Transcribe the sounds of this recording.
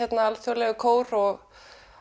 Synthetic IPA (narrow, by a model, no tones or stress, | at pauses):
ɛt̪naalθjɔwlɛɣʏkʰoːwɾɔɣ